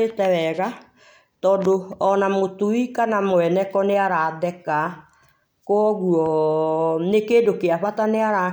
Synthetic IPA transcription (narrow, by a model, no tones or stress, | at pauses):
etɛwɛɣa | tɔːdoɔnamotuikanamoɛnɛkɔneaɾaðɛka | kwɔɣuɔ | nekeːdokeaβataneaɾa